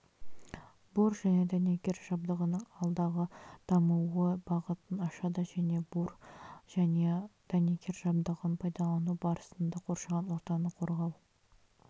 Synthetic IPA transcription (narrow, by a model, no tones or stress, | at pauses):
buɾʒæne̞d̪ænekʲe̞ɾʒ̥ɑb̚d̪əʁənəɴɑlˠd̪ɑʁəd̪̥ɑmuwəbɑʁət̪ənɑʃɑd̪ɑʒæne̞burʒæne̞d̪̥ænekʲʰe̞ɾʒɑbd̪əʁənpʰɑjd̪ɑlˠɑnubɑɾəsənd̪ɑqʰo̞ɾʃɑʁɑnwo̞ɾt̪ɑnəqʰo̞ɾʁɑw